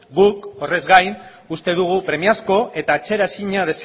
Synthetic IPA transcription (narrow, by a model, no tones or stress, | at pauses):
ɡuko̞re̞zɣajn | ust̪e̞ðuɣ̞upɾe̞miasko̞ʔe̞t̪aːt͡ʃe̞ɾaesiɲað̞e̞s